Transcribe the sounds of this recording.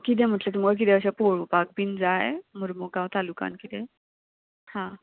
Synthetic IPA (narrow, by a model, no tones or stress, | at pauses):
kit̪̬ɛ̃m̤əʈlet̪umɡaɭk̬it̪ɛ̃əɕapoɭupak̚bind͡zajmuɾmuɡãwt̪aluka̰nkit̪ɛ | hã